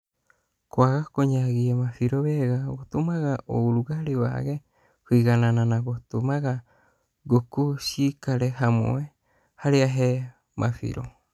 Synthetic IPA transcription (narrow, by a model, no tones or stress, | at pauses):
koaɣakoɲaɡiemafiɾoβeɡaβot̪umaɣaʔouɾuɡaɾiwa̰ɡe | hɨɡanãnãnaβot̪umaɡa | ɡokusikaɾeɦamo̰e | haɾiaɦe | mʔa̰fḭɾo